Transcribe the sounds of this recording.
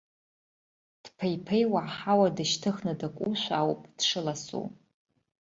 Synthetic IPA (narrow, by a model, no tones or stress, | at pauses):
d̥pʰejpʰejwaʕħawadɨʃtʰɨχnɨdakʷʼuʃʷawpʼd̥ʂɨlasṵ